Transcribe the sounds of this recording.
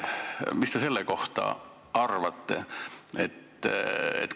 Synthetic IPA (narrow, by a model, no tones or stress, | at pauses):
mist̪eselːeko̞ht̪ɑ̰ | ɑrʋɑt̪ːḛet̪ː | ḛt̪